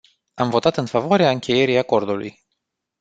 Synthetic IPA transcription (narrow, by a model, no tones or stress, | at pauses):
amvo̞t̪at̪ɨnfavoaɾeaɨŋkʲe̞je̞ɾijako̞rd̪ulṵj